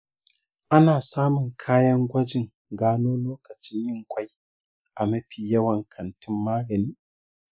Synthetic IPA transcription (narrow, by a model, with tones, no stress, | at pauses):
ʔa˦naː˨saː˦mʊ˨ŋkʰaː˦jɐ˦ŋɡʷɐ˦d͡ʒɪ˨ŋ | ɡaː˦noː˦loː˦kɐ˨t͡ʃɪ˦ɲjɪ˦ŋkʷa˦j | ʔa˨mɐ˦ɸiː˨jɐ˦wɐ˨ŋkʰɐ˨ntʰɪ˦mːaː˦ɡɐ˨niː˦